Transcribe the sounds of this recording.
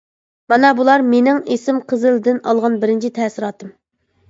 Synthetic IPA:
mɑnɑbulˠɑɾmenɪŋesɪmqʰəzɨld̪ɪnɑlˠʁɑnbɪɾɪnt͡ʃʰit̪ʰɛːsɪɾɑːt̪ɨm

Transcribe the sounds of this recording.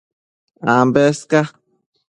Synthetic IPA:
ambeska

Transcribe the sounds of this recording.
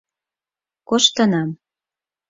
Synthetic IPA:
koʃt̪ɤ̆nɑm

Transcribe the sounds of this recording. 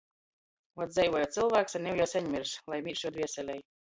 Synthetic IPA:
vɔt̪d̪zɛjvɔjɔːt̪sɨlˠvæːksanʲɛwjɔwsʲɛɲmʲiɾslˠajmʲiɾʃuɔd̪viɛsʲɛlʲɛj

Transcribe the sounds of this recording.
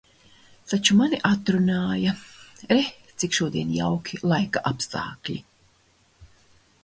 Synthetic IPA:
t̪at͡ʃumaniʔat̪ɾunaːjɐɾɛt̪sikʃuɔd̪iɛnja̰wkʲʰilˠajkaʔapst̪a̰ːklʲḭ

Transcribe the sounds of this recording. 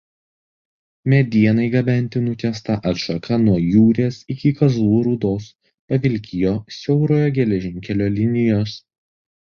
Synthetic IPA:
mʲɛd̪ʲiɛnɐɪɡɐbʲɛˑnʲt̪ʲɪnʊt̪ʲɛst̪ɐʔɐt̪ʃɐkʰɐnuɔjuːɾʲeːsɪkʲɪkɐzˠuːɾʊd̪oːs | pɐʋʲɪlʲkʲɪjoːsʲɛʊɾoːjoːɡʲɛlʲɛʒʲɪŋʲkʲɛlʲoːlʲɪnʲɪjoːs

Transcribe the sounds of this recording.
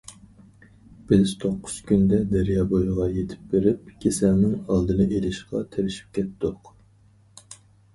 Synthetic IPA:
b̥ɪz̥t̪ʰoqːʊz̥kʲʰynd̪ɛd̪ɛɾijɑːbojʁɑjet̪ʰɪ̥p̚beɾɪpkʲʰesɛlnɪŋɑlˠd̪ɨnɨʔelɪʃqɑt̪ʰeɾɪʃi̥p̚kʲʰɛt̪d̪ʊq

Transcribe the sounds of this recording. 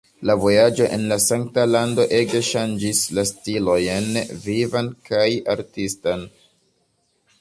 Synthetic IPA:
lavo̞jad͡ʒo̞ʔe̞nlasaŋk̚talando̞ʔe̞ɡe̞ʃand͡ʒislastilo̞jnvivankaja̰ɾtistan

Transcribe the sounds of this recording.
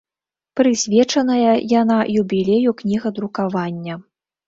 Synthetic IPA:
pɾɨsʲvʲɛt͡ʂɐnɐjɐjanajubʲilʲejuknʲiɣɐd̪ɾukavanʲːɐ

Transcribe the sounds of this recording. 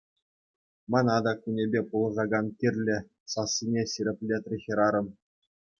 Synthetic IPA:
mɑnɑd̪ɑkunʲebʲepulˠɤ̆zɑɡɑnt̪ʲirʲlʲɘ̆ | sɑsːinʲesʲiɾʲĕpʲlʲet̪rʲexʲĭɾɑɾɤ̆m

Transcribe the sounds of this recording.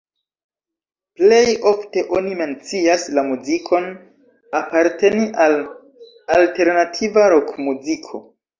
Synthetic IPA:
ple̞jo̞fte̞ʔo̞nime̞nt͡siaslamuzikʰo̞n | apaɾte̞niʔal | alte̞ɾnatʰivaɾo̞kmuzikʰo̞̰

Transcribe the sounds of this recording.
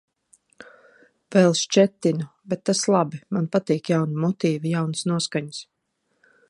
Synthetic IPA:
vɛlˠʃt͡ʃɛt̪ːinubɛt̪ːaslˠabimanpat̪iːkjawnimɔt̪iːvijawnsnuɔskaɲs

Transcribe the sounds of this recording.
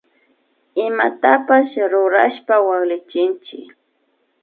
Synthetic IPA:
ɪmat̪apasɾʊɾa̰ʃpawaŋlɪt͡ʃɪnt͡ʃɪk

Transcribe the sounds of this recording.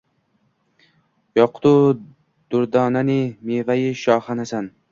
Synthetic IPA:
jɒqʰt̪u | d̪̥ʊɾd̪ɑːnanimevajiʃɑːχanasan

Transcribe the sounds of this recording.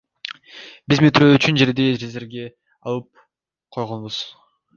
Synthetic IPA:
bizmet̪ɾøːyt͡ʃynd͡ʒe̞ɾd̪eɾeze̞ɾɡʲe̞ | ɑ̰lˠɯp̚ | qʰo̞jʁonbuz̥

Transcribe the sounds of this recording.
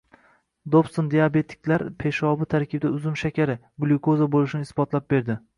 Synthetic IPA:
d̪opst̪ond̪ejabe̞t̪ʰɪ̥kʲlaɾpʰe̞ʃɒbɪt̪ʰaɾkʲɪb̚d̪aʊzʊmʃakʲʰaɾɪ | blˠukozabolˠɪʃɪnɪːsbɒt̪ʰlap̚be̞ɾd̪ɪ

